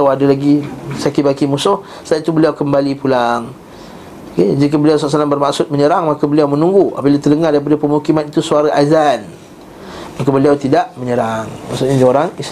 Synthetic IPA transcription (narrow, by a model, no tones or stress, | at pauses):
awadalaɡisakibakimusʊh | sat̪ubəliawkəmbalipulaŋ | ked͡ʒikabəliawsalasalambərmaʔsʊt̪̚məɲəɾaŋmakabəliawmə̃nuŋɡua̰babilat̪ələŋadaɾipadapəmukimanit̪usuaɾaʔazan | makabəliawt̪idaʔməɲəɾaŋmaʔsʊt̪̚ɲad͡ʒoɾaŋis